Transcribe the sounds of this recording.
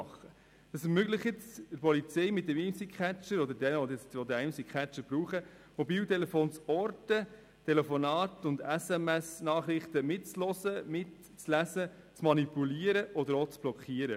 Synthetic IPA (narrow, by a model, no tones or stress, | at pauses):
χə | d̥ɑsɛmøɡləχɪt͡sɪɾpɔlit͡sɛɪmɪt̚d̥ɛmimsikʰæt͡ʃːəɾɔd̪əɾdɛnɔɛt͡stʋɔd̪ɛɛɪmsikχæt͡ʃːəɾb̥ɾuːχə | mɔbiːltɛlɛfoːnt͡sɔɾtə | tʰɛlefɔnɑːtʊnd̪ɛsɛmɛsnɑːχɾɪχt̪əmɪt̚t͡slɔsəmɪt | t͡slæsə | t͡smɑnipuliːəɾəʔɔd̪əɾoːt͡sb̥lɔkʰiəɾə